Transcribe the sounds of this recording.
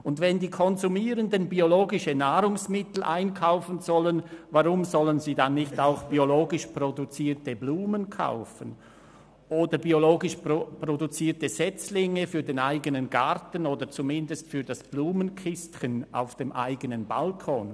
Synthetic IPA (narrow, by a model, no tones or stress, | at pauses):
ʊndvɛndiːkʰɔnzumiːʁəndənbioloːɡɪʃənaːɾʊŋsmɪtl̩ʔaɪnkʰaʊfənzɔlənvaʁʊmzɔlənziːdanːɪçtaʊxb̥ioloːɡɪʃprodut͡siːtəbluːmənkʰa̰ʊfən | ʔoːdɐbioloːɡɪʃppʁodut͡siːtəz̥ɛt͡slɪŋəfyːɐdeːnaɪɡənənɡɑɾtən̩oːdət͡sumɪndəstfyːɐdasb̥luːmənkʰɪstçənʔa̰ʊfd̥eːmʔa̰ɪɡənənba̰lkʰɔːn